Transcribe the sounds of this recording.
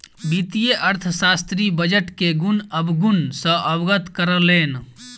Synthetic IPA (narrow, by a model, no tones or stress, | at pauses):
bit̪ijeʔəɾt̪ʰəsast̪ɾibəd͡ʒəʈkeɡunəbɡunsə̃ʔəbɡət̪kəɾəleːn